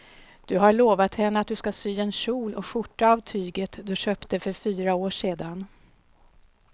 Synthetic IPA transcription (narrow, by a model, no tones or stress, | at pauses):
d̪̥ɵɦaɭoːvat̪hɛnːəat̪̚d̪ɵskasyːɛnɕuːlɔkɧʊʈːaːvt̪ʰyːɡət̪d̪ɵɕøːpt̪əfœɾfyːɾaoːʂeːd̪an